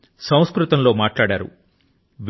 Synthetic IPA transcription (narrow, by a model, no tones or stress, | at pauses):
sɐw̃skɾut̪ɐnlo̞ːmaːʈlaːɽaːɾṵ | ʋ